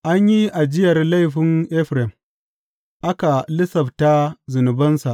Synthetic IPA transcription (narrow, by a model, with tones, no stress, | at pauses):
ʔa˦ɲji˦ʔa˨d͡ʒɪ˦jɐ˨rla˦jɸɪ˦nʔɛ˦ɸɾɛ˨m | ʔa˦ka˨lɪ˦sɐ˨bta˦zʊ˨nʊ˨bɐ˦nsa˨ʔ